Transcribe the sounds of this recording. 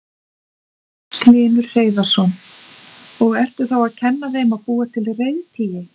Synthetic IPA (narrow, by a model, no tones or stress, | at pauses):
klɪːnʏɾ̥reːjðasɔn | ɔɣɛr̥t̪ʏ̥θawaðcʰɛnːaθeːjmaðpuːat̪ʰɪlreːjðt̪ʰiːjɪ